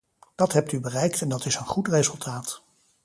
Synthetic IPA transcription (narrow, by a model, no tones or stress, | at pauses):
d̥ɑtɦɛp̚tybərɛjktɛndɑtɪsənχutrezɵlˠtʰaːt